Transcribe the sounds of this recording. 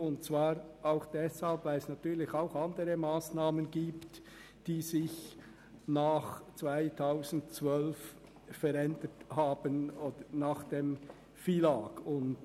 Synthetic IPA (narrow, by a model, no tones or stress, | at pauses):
ʊntt͡svaːʁʔaʊxd̥ɛshalpvaɪlɛsnatyːlɪçaʊxandəʁəmaːsnaːmənɡiːpt | d̥iːzɪç | naːχt͡sv̥aɪtʰaʊzn̩tt͡svœlf | fɛɾɛndəthaːbənoːdənaːχd̥eːm | fiːlaːɡ̥ʊnt